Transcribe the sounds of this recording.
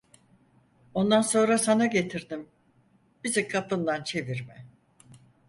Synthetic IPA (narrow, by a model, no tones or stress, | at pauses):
o̞nd̪anso̞nɾasanaɟe̞t̪ʰiɾd̪im | b̥izikʰapʰɯnd̪ant͡ʃʰe̞viɾmɛ